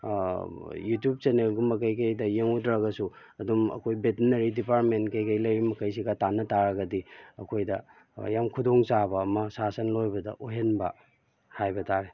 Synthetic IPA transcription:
jutjup̚t͡ʃenelɡumɐk̬ɐjkɐjdɐjeŋudɾaɡɐsu | ɐdumɐ̰kʰojbetinɐɾidipaɾtmentkɐjkɐjlɐjbimɐkɐjs̬iɡɐtanɐtaɾɐɡɐdiɐkʰojdɐ | jamkʰudoŋsabɐːmɐsasɐnlojbɐdɐ̰ʔoɦenbɐ | hajbɐtaɾe

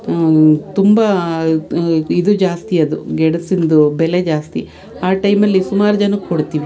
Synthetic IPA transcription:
t̪umbɐ | id̪ud͡ʒaːst̪iɐd̪uɡeɽɐsind̪ubeled͡ʒaːst̪ḭ | aːʈɐjmɐlːisumaːɾud͡ʒɐnɐkkoɽt̪iːʋi

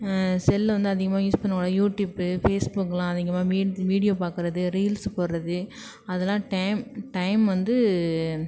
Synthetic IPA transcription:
sɛlːʋɐnd̪ɯɐðɪɣɐmaːjuːspɐnːɯkːɽɐjuːʈjuːbɯfeːsbukːlãːɐðɪɣɐmaːʋiːʋiːɽɪjoːpaːɾkɯɾɐðɯɾiːlspoːɾɾɐðɯ | ɐðɛlãːʈɐɪmʈɐɪmʋɐnd̪ɯ

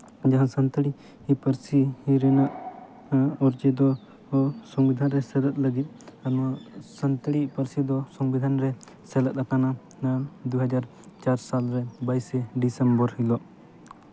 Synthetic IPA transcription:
d͡ʒaɦãsənt̪əɽi | hipəɾsihiɾɛnaʔ | ɔɾd͡ʒɛd̪ɔ | sɔŋbid̪ʱanɾɛsɛlət̪̚ləɡit̪̚anɔsənt̪əɽipəɾsid̪ɔsɔŋbid̪ʱanɾɛ | sɛlət̪̚akana | ad̪uɦad͡ʒaɾ | t͡ʃaɾsalɾɛbajsɛɖisɛmbɔɾhilɔʔ

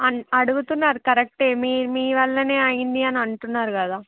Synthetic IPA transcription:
ɐɐɽuɡut̪unːaːɾukɐɾek̚ʈeːmiːmiːʋɐɭːɐne̞ːɐjind̪iɐniɐɳʈunːaːɾukɐd̪aː

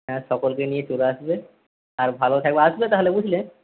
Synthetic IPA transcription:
asɔkɔlkenijet͡ʃoɾoasbe | aɹbʱalot̪ʰak̚beasbet̪aɦolebud͡ʒʱile

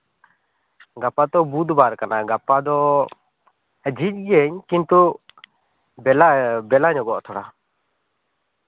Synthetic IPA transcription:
ɡapat̪ɔbud̪baɾkanaɡapad̪ɔ | əd͡ʒic̚ˀɡɛɲkint̪u | bɛlabɛlaɲɔɡɔʔt̪ʰɔɽa

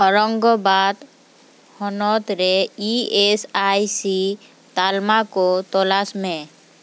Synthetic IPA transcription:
əɾəŋɡobad̪ | hɔnɔt̪ɾeiesajsi | t̪almakot̪ɔlasmẽ

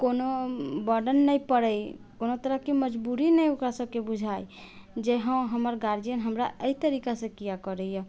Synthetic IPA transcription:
konobəɾɖənːəjpəɾəjkonot̪əɾəɦkeməd͡ʒbuɾinəjokɾasəb̚kebud͡ʒʱajd͡ʒeɦə̃ɦəməɾɡaɾdijənɦəmɾa̰ʔəit̪əɾikasẽkijakəɾɛjɛ

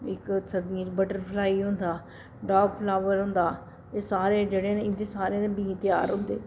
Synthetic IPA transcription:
ɪksəd̪ĩːbəʈəɾpʰlaːiːɦʊ̃nd̪aː | ɖaːbpʰlaːʋəɾɦʊ̃nd̪aː | t̪eːsaːɾeːd͡ʒeːɽeːneɪnd̪eːsaːɾeːd̪eːbĩːt̪ɪjaːɾɦʊ̃nd̪ḛː

